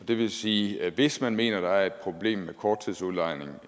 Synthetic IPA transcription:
ɒd̥e̝ʋe̝siːʋe̝smænme̝̰ːnɐd̥ɑ̈æɐe̝d̥̚pʰʁo̝b̥le̝̰ːmːekʰɒːd̥̚t͡sʰið̞̰ˠsuðˠlɑ̈ɪne̝ŋ

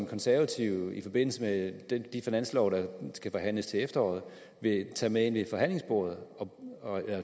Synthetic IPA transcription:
mkʰɒ̽nsæɐʋæt͡sʰiʊ̰ifɒ̽b̥e̝n̰l̩səmed̥d̥ifinæn̰slɒʊɾ̥ɑ̈sɡ̥æfɒ̽ɦæn̰ləst͡sʰe̝efd̥ɐɒ̰ːð̞̩ˠ | ʋe̝t͡sʰɛ̰ːmee̝nʋe̝fɒ̽ɦæn̰le̝ŋsb̥oɐð̩ˠɒ̽ɒ̽elɐ

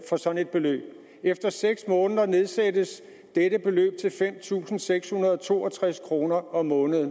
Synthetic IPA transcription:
fɒ̽sɒ̽ne̝d̥̚b̥e̝lø̰ːb̥̚ | efd̥ɐseɡ̥smɔ̽ːnəðˠɐne̝ð̞ˠsædəs | d̥edəb̥e̝lø̰ːb̥̚t͡sʰe̝lfem̰t͡sʰṵːsn̩seɡ̥shunɐðˠɒt͡sʰo̝ːɒt͡sʰʁaskʰʁo̝ːnɐɒ̽mɔ̽ːnəðˠ

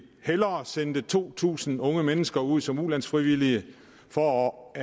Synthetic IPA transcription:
helɐːsend̥ət͡sʰo̝̰ːt͡sʰṵːsn̩ɔ̽ŋəmenəsɡ̥ɐuð̞̰ˠsɒ̽mulæn̰sfʁiʋiliə | fɒ

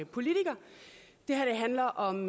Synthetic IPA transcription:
pʰo̝lit͡sʰiɡ̥ɐd̥e̝hæɐd̥eɦænlɐʔɒ̽m

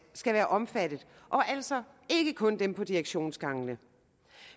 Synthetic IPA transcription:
sɡ̥æʋæːɐʔɒ̽mfæd̥ð̞̩ˠ | ʔɒ̽ʔæl̰sɒ̽ | e̝ɡ̥əkʰɔ̽nd̥empʰɒ̽d̥iʁeɡ̥ɕo̝̰ːnsɡ̥ɑ̈ŋənə

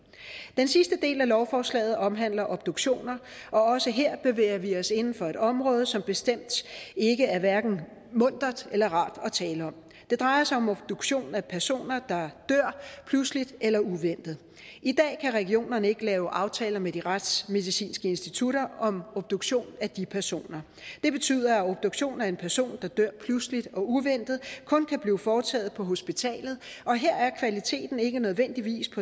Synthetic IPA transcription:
d̥ensisd̥əd̥e̝̰ːlælɒʊfɒːslɛ̰ːɪð̞̩ˠɒ̽mɦæn̰lɐʔɒ̽b̥̚d̥uɡ̥ɕo̝̰ːnɐʔɒ̽ɒ̽səɦe̝ɐ̰b̥e̝ʋḛːɐʋiɒ̽se̝nn̩fɒ̽e̝ɾ̥ɒ̽mʁɔ̽ːð̞̩ˠsɒ̽mb̥e̝sd̥em̰d̥e̝ɡ̥əæɐʋæɐɡ̥n̩ | mɔ̽n̰d̥ʁɐðˠelɐʁɑ̈ːd̥ɒ̽t͡sʰɛːləɒ̽m | d̥e̝d̥ʁɑ̈ɪɐsɑ̈ɪɒ̽mɔ̽b̥d̥uɡ̥ɕo̝̰ːnæpʰæɐso̝̰ːnɐd̥ɑ̈d̥øɐ̰pʰluslid̥elɐuʋen̰d̥ð̞̩ˠ | id̥ɛ̰ːkʰæʁɛɡio̝̰ːnɐnəe̝ɡ̥əlɛːʊʔɑ̈ʊt͡sʰɛːlɐmed̥iʁad̥sme̝ð̞ˠisḭːnsɡ̥əe̝nsd̥it͡sʰuɾɐɒ̽mob̥̚d̥oɡ̥ɕo̝̰ːnæd̥ipʰæɐso̝̰ːnɐ | d̥e̝b̥e̝t͡sʰy̰ð̰ˠɐæo̽b̥̚d̥oɡ̥ɕo̝̰ːnæɐe̝npʰæɐso̝̰ːnd̥ɑ̈d̥øɐ̰pʰluslid̥ɒ̽uʋen̰d̥ð̩ˠkʰɔ̽nkʰæb̥liːfɒːt͡sʰɛ̰ːð̩ˠpʰɒ̽ɦo̝sb̥it͡sʰɛ̰ːlð̩ˠɒ̽ɦeɐ̰æɐkʰʋælit͡sʰe̝̰ːd̥n̩e̝ɡ̥ənøð̞ˠʋen̰d̥iʋḭːspʰɒ̽

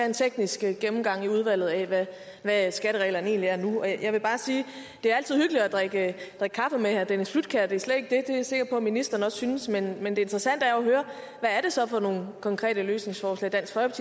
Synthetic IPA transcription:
æent͡sʰeɡ̥nisɡ̥ɡ̥emm̩ɡ̥ɑ̈ŋ̰iuð̞ˠʋæl̰ð̞̩ˠɛʋæ | ʋæsɡ̥æɾəʁɛ̰ɪlɐn̩e̝ːnliæɐnuɒ̽jɑ̈ɪʋe̝b̥ɑ̈ːsiː | d̥e̝æɐæl̰t͡sʰiðˠhyɡ̥li̥ɒd̥ʁaɡ̥əd̥ʁaɡ̥̚kʰɑ̈fəmehæɐd̥enəslud̥̚kʰæd̥e̝æɐsled̥e̝ɡ̥d̥e̝d̥e̝æɐse̝ɡ̥ɐ̥pʰɒ̽minisd̥ɐːn̩ɒ̽ssynəsmenmend̥e̝e̝nd̥ʁɐsæn̰d̥æɐɒɦøːɐ | ʋæːɐɾ̥e̝sɒ̽fɒ̽no̝ːn̩kʰɒ̽ŋkʰʁɛ̰ːd̥əløːsne̝ŋsfɒːslɛ̰ɪd̥æn̰sɡ̥fʁɒpʰt͡sʰḭ

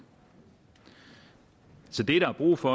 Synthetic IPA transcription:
sɒ̽d̥e̝ɾ̥ɑɑ̈b̥ʁṵːfɒ̽

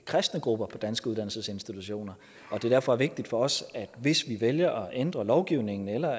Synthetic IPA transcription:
kʰʁɛsd̥nəɡ̥ʁub̥ɐpʰɒ̽d̥ænsɡ̥əuð̥ˠæn̰l̩səse̝nsd̥it͡sʰuɕo̝̰ːnɐ | ɒ̽d̥e̝dæɐfɒ̽æɐʋe̝ɡ̥̚d̥id̥fɒ̽ɒ̽sæd̥ʋe̝sʋiʋeljɐʔɒ̽ʔend̥ʁɐlɒʊɡ̥iʊne̝ŋn̩elɐ

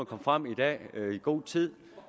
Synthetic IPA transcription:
ɐkʰɒ̽mfʁam̰id̥ɛ̰ːiɡ̥o̝̰ːt͡sʰið̰ˠ

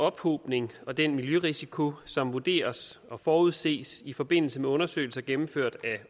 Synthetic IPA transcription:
ɒ̽b̥ho̰b̥ne̝ŋɒ̽d̥enmiljøʁisikʰo̝sɒ̽mʋud̥e̝̰ːɐsɒ̽fɒːuð̞̰ˠse̝̰ːsifɒ̽b̥e̝n̰l̩səmeɔ̽nɐsø̰ːɪl̩sɐɡ̥emm̩føɐ̰d̥æ

